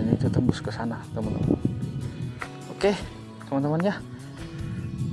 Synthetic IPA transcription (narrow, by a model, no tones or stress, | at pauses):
ɲait̪ut̪əmbuskəsanat̪əmant̪ə̰ma | oke | t̪əmant̪əmanja